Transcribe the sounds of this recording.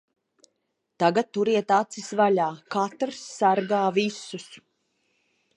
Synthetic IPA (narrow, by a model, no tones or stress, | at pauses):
t̪aɡat̪̚ːuɾiɛt̪at̪sisvalʲaːkat̪ɾsːaɾɡaːvisus